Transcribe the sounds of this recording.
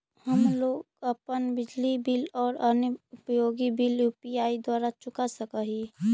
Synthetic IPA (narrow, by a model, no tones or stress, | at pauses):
həmloːɡəpənbɪd͡ʒlibɪlɔːɾənəʊpəjoːɡibiljupijaːid̪waːɾat͡ʃʊkasəkəɦi